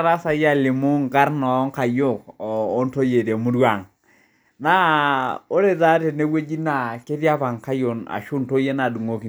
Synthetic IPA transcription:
ɾa˦sa˨ja˦˨lɪ˨mʊ˦ŋɡa˦rnɔ˨˦ŋka˨jo˦˨kɔː˨˦nto˦je˨ɾe˨mu˦dwa˨ŋ | na˦o˦ɾe˦da˦te˨ne˦we˦d͡ʒi˦na˨ke˦tja˦pa˨ŋka˦jo˨na̰˨ʃu˦nto˦je˦na˨du˨ŋo˦ki˨

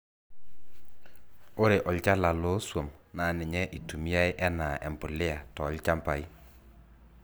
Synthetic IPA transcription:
o˦ɾe˨ʔɔ˨lt͡ʃa˦la˨lo˦swo˨mna˨nɪ˨ɲɛ˦ʔi˨tu˨mi˦a˦ɪ˦ʔɛ˦na˨ʔɛ̰˨mpʊ˨lɪ˦a˨tɔ˨˦lt͡ʃa˦mpa˨ɪ˦

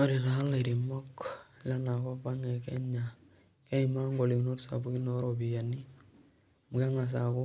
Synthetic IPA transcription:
ɔ˦ɾi˨la˨a˦lːa˨i˨ɾi˨mɔ˦kla˦na˨kɔ˦pa˦ŋɛ˨kɛ̰˦ɲa˨ | kɛ˦i˨ma˦ŋɡɔ˨li˨ki˨nɔ˦ɾsa̰˨bu˦ki˦nɔ˦ɾɔ˨bi˨ja˨ni˦ | mu˨ɡa˦ŋa˨s̬a˨kɔ˦

